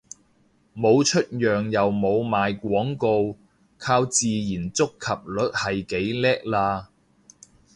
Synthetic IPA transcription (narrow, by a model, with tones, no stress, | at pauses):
mo˨˧wt͡ʃʰɵ˥t̚jœː˨ŋjɐ˨wmo˨˧wmaː˨jkʷɔː˨˥ŋko˧w | kʰaː˧wt͡siː˨jiː˨˩nt͡sʊ˥kʰːɐ˨p̚lɵ˨˥t̚hɐ˨jke˨˥jlɛː˥k̚laː˧